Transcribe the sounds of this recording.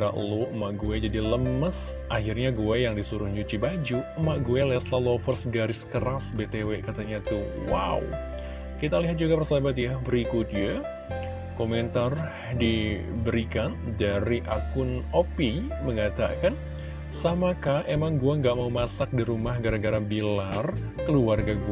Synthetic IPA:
ɾa̰ʔloəmaʔɡuɛd͡ʒadiləməs | ʔaɦirɲaɡuajaŋdisuɾʊhɲd͡ʒut͡ʃibad͡ʒuəmaʔɡuɛlɛslalofərsɡaɾɪskəɾasbet̪ewekat̪aɲat̪uwa̰ṵ | kit̪aliɦat̪̚d͡ʒuɡapərsabat̪̚jabəɾikʊt̪̚ja | koment̪ar | di | bəɾikandaɾiʔakʊnopiməŋat̪a̰kan | samakaemaŋɡuɛŋɡaʔmaumasak̚diɾumahɡaɾaɡaɾabilar | kəluarɡaɡu

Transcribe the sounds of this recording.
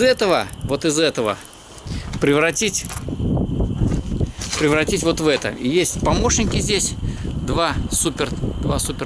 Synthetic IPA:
ɛt̪əvəvo̞t̪ɪzɛt̪əvə̰ | pɾʲɪvɾɐtʲitʲ | pɾʲɪvɾɐtʲitʲvo̞t̪vɛt̪ə̰ijesʲtʲpɐmo̞ʂnʲɪkʲɪzʲdʲesʲd̪vasupʲɪrd̪va̰supʲɪ

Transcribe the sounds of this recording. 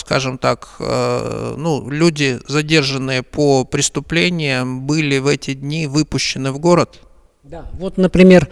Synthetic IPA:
skaʐɨmt̪akə̰nulʲudʲɪzɐdʲe̞rʐɨnːɨjəpʰopɾʲɪst̪ʊplʲenʲɪjəmbɨlʲɪvɛtʲɪdʲnʲivɨpʊɕːɪnɨvɡo̞ɾət̪ | d̪avot̪nəpɾʲɪmʲer

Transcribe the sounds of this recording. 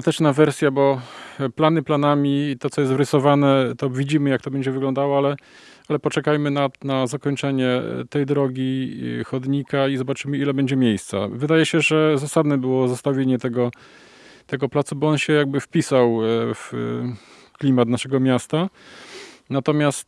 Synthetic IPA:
t̪ɛt͡ʂnavɛɾsʲjabɔplanɘplanamʲit̪ɔt̪sɔjɛs̬t̪vɾɘsɔvanɛt̪ɔvʲid͡ʑimɘjak̚t̪ɔbɛɲd͡ʑɛvɘɡlɔnd̪awɔalɛ | alɛpɔt͡ʂɛkajmɘnanazakɔɲt͡ʂɛɲɛt̪ɛjd̪ɾɔɡʲixɔd̪ɲikaizɔbat͡ʂɘmɘilɛbɛɲd͡ʑɛmʲjejst̪sa̰vɘd̪ajɛɕɛʐɛzasad̪nɛbɘwɔzast̪avʲjeɲɛt̪ɛɡɔ | t̪ɛɡɔplat̪subɔɔnɕɛjaɡ̚bɘfpʲisawf | klʲimat̪naʂɛɡɔmʲjast̪a | nat̪ɔmʲjast̪

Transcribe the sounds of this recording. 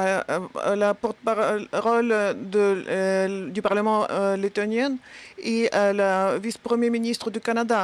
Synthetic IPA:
a̰lapɔʁt̪əpaʁɔld̪ə | d̪ypaʁləmɑ̃let̪ɔnjɛnealavispχəmjeminist̪χəd̪ykanad̪a

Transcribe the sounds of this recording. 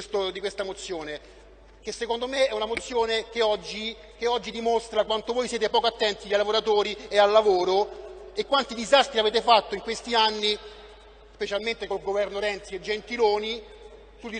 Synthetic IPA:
st̪od̪ikwest̪amot̪sːjoːne | k̟esːekond̪omeɛunamot̪sːjoːnek̟eɔd͡ʒːi | keɔd͡ʒːid̪imost̪ɾakwant̪ovoːjsjeːt̪epɔːkoat̪ːɛnt̪iaalavoɾat̪oːɾiealːavoːɾoekːwant̪id̪izast̪ɾiaveːt̪̬efat̪ːoiŋkwest̪ianːi | spet͡ʃalment̪ekolɡovɛrnoɾɛnt̪sied͡ʒːent̪iloːni | sud̪i

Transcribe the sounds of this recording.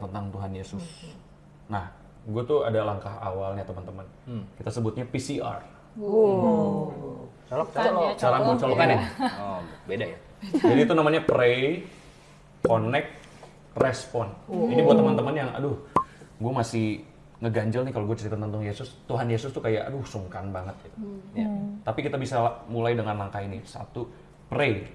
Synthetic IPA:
t̪ənt̪aŋt̪uɦanjesʊs | nah | ɡuat̪uadalaŋkaɦa̰walɲat̪əmənt̪əmən | kit̪asəbʊt̪̚ɲapisia̰r | t͡ʃɔlɔt͡ʃaɾaŋut͡ʃalɔkana | bedaja | d͡ʒadiːt̪unamaɲapɾe | konɛk̚ | rɛspɔninibuat̪ːəmant̪əmanjaŋa̰dʊhɡuamasɪh | ŋəɡaɲd͡ʒalnikaloɡuat͡ʃaɾit̪ant̪ant̪uŋjesʊst̪uɦanjesʊst̪ukaja̰ʔa̰dʊhusuŋkanbaŋət̪̚t̪ | t̪apikit̪abisamulajdəŋanlaŋkainisa̰t̪u | pɾe

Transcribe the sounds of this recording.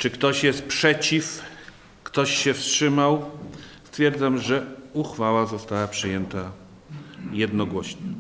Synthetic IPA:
t͡ʂɘkt̪ɔɕjɛst̪̚pʂɛt͡ɕif | kt̪ɔɕɕɛfstʂɘmawst̪fʲjɛɾd̪zamʐɛuxfawazɔst̪awapʂɘjɛnt̪a | jɛd̪nɔɡwɔɕɲɛ

